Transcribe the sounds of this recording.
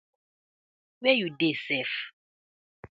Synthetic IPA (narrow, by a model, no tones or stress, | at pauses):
βɛjudesɛf